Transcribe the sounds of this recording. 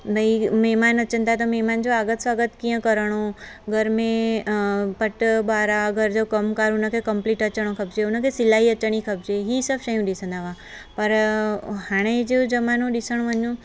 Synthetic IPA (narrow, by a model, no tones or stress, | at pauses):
bʱəimɛːmaːnɐt͡ʃənt̪at̪omemand͡ʒoaːɡət̪sʋaːɡət̪kijə̃kəɾɽ̃oɡʱəɾmẽ | pəʈbaːɾaəɡəɾd͡ʒɐkɐmkaːɾunəkʰekɐmpliːʈət͡ʃəɽ̃okʰɐbd͡ʒeunəkʰesɪlaɦiət͡ʃəɽ̃ikʰəb̚d͡ʒeɦisəbʃəjũɗisə̃nd̪aːʋa | pɐɾhaːɽ̃ed͡ʒed͡ʒɐmanõɗisəɽ̃ʋəɲũ